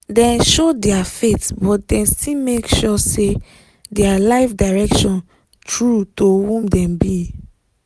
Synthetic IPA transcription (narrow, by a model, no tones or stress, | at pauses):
dɛ̃nʃodɛafetbɔt̚dɛ̃nstimekʃɔse | dɛalaɪfdaɹɛkʃɔ̃n | tɹutowũmdɛ̃mbi